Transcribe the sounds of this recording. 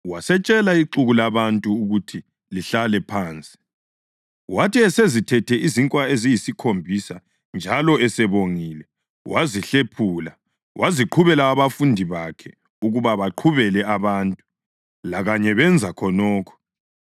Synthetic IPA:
wasɛt͡ʃʼɛlaiǃuɣulaβantʼuːɣutʰi | liɬalɛpʰaːnt͡sʼi̥ | watiɛsezitʰɛtʰɛʔiziŋkʼwaezijisikʰombʱisa | nd͡ʒʱalɔɛsɛβoŋiːlɛ | wʔaziɬepʰula | wʔaziǃʰuβɛlaːβafundʱiβakʰɛ | uɣuβaβaǃʰuβɛlɛaβantʼu | laɣaɲɛβɛnd͡zʱakʰɔnɔːkʰɔ̥

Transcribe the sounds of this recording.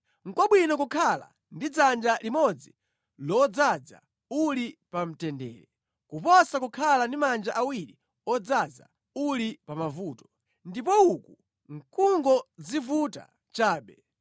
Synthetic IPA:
ŋ̩kɔɓwinɔkukʰala̰ | ndid͡zand͡ʒalimɔd͡zi | lɔd͡zad͡za̰ | ulipam̩tɛndɛːɾɛ | kupɔsakukʰalandimand͡ʒaʔawiɾi | ɔd͡zad͡za̰ | ulipamavuːtɔ̥ | ndipɔuku | ŋ̩kʰuŋɡɔzivuta̰ | t͡ʃaːɓɛ

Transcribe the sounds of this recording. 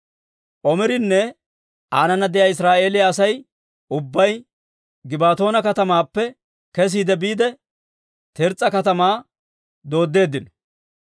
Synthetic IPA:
ʔɔmɪɾɪnːɛ | ʔaːnɐnɐd̪ɛjaɪsɾaːʔe̞ːlɪjaːsɐj | ʔʊbːɐj | ɡɪbaːt̪o̞ːnɐkɐt̪ɐmaːpːɛ | kɛs̬iːd̪ɛbiːd̪ɛ | t̪ɛɾt͡sʼːɐkɐt̪ɐmaː | d̪o̞ːd̪ːe̞ːd̪ːɪnɔ

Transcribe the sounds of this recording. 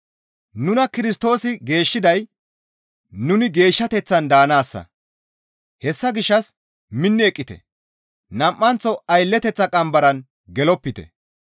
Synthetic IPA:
nʊnɐkɪɾɪs̬t̪o̞ːsɪɡe̞ːʃːɪd̪ɐj | nʊnɪɡe̞ːʃːɐt̪ɛt͡sːɐnd̪aːnaːsːɐ̰ | hɛsːɐɡɪʃːɐs | mɪnːɪɛkʼːɪt̪ɛ̰ | nɐmʔːɐnt͡sːɔɐjlːɛt̪ɛt͡sːɐkʼɐmbɐɾɐn | ɡɛlɔpːɪt̪ɛ̰

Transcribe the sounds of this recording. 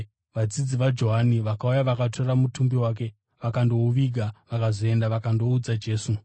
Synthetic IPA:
ʋad͡zid͡ziʋad͡ʒo̞ɦaniʋakaujaʋakatʰo̞ramutumbiwak̬e̞ | ʋakando̞uʋiɡʱaʋakazoe̞ndaʋakando̞ud͡zad͡ʒe̞ːsu

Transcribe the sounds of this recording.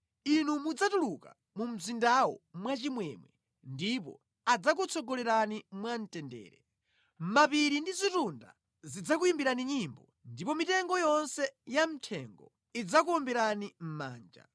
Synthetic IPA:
inumud͡zatuluka̰ | mum̩zindawɔ̰mwat͡ʃimwɛmwɛ | ndip̬ɔ̰ | ad͡zak̬ut͡sʰɔɡɔlɛɾanimwan̩tɛndɛ̰ːɾɛ | mapiɾindizitunda̰ | zid͡zak̬ujimbiɾaniɲimbɔ | ndipɔmitɛŋɡɔjɔnsɛjam̩tʰɛŋɡɔ̰ | id͡zakuɔmbɛɾanim̩ma̰ːnd͡ʒa̰

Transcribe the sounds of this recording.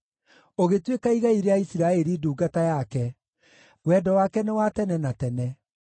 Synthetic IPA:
oɣetwekaiɣaiɾeaisiɾaeɾiduːɡatajakɛ | ɣwɛdɔwakɛnewatɛnɛnatɛnɛ

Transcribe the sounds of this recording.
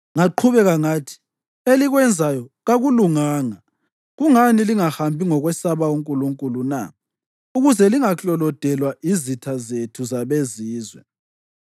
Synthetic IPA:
ŋaǃʰuβɛɣaŋaːtʰi̥ | eliɣwɛnd͡zʱajɔɣaɣuluŋaːŋa | ɣuŋaniliŋahambʱiŋɔɣwɛsaβauŋkʼuluŋkʼuluna̰ | uɣuzɛliŋaɬɔlɔd̥ʱɛlwaʔizitʰazetʰuzaβeziːzwɛ̰

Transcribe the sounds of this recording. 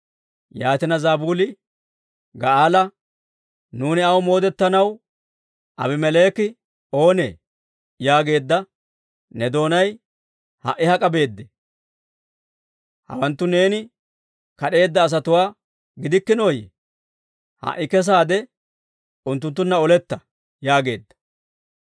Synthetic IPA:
jaːt̪ɪnɐzaːbuːlɪ | ɡɐaːlɐ | nuːnɪɐwmo̞ːd̪ɛt̪ːɐnɐw | ʔɐbɪmɛle̞ːkɪ | o̞ːnḛː | jaːɡe̞ːd̪ːɐ | nɛd̪o̞ːnɐj | hɐ̰ʔɪhɐkʼɐbe̞ːd̪ːɛ | hɐ̰wɐnt̪ːʊne̞ːnɪ | kɐɗe̞ːd̪ːɐːs̬ɐt̪ʊwaː | ɡɪd̪ɪkːɪno̞ːjɛ̰ | hɐ̰ʔɪkɛs̬aːd̪ɛ | ʊnt̪̬ːʊnt̪ːʊnːɐɔlɛt̪ːɐ | jaːɡe̞ːd̪ːɐ̥

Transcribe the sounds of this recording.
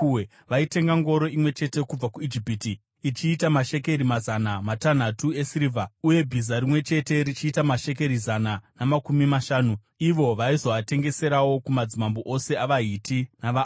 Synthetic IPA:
ʋaite̞ŋɡaŋɡo̞ɾo̞imwe̞t͡ʃe̞te̞kub͡vakuid͡ʒipiti | it͡ʃiːtamaʃe̞k̬e̞ɾimazanamatan̤atue̞siɾivʱauje̞bʱizaɾimwe̞t͡ʃe̞te̞ɾit͡ʃiːtamaʃe̞k̬e̞ɾizananamakumimaʃaːnu | iʋo̞ʋaizo̞ʋate̞ŋɡe̞se̞ɾawo̞kumad͡zimamboʔose̞aʋaɦitʰinaʋa

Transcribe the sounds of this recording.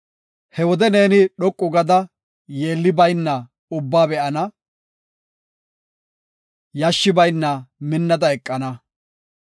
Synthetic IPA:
hɛwɔd̪ɛne̞ːnɪɗɔkʼːʊɡɐd̪ɐ | je̞ːlːɪbɐjnːɐ | ʊbːaːbɛʔɐnɐ | jɐʃːɪbɐjnːɐmɪnːɐd̪ɐɛkʼːɐnɐ

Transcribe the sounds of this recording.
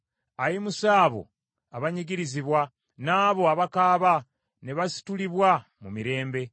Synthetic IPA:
ajimusaːβo̞̰ | aβaɲiɡiɾiziβwa | naːβo̞aβakaːβa | neβasi̥tuliβwamumiɾe̞ːmbe̞

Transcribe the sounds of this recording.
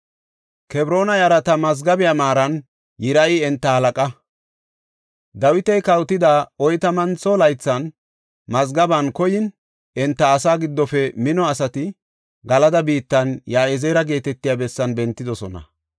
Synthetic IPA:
kɛbɾo̞ːnɐjɐɾɐt̪ɐmɐzɡɐbɪjamaːɾɐn | jɪɾɐʔɪɛnt̪ːɐhɐlɐkʼɐ | d̪ɐwɪt̪ɛjkɐwt̪ɪd̪aːɔjt̪ɐmɐnt͡sɔlɐjt͡sːɐn | mɐzɡɐbɐnkɔjɪn | ɛnt̪ːɐːsaːɡɪd̪ːɔfɛmɪnɔɐsɐt̪ɪ | ɡɐlɐd̪ɐbiːt̪ːɐnjaːɛzeːɾɐɡe̞ːt̪ɛt̪ːɪjaːbɛsːɐnbɛnt̪ːɪd̪ɔsɔnɐ̰

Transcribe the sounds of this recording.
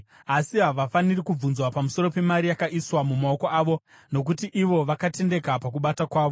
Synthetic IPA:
asiɦaʋafanirikub͡vunzwapamuso̞ɾo̞pe̞maɾijakaʔiswamumao̞koaːʋo̞ | no̞k̬utiʔiʋo̞ʋakate̞nde̞kapak̬uɓatakwaːʋo̞

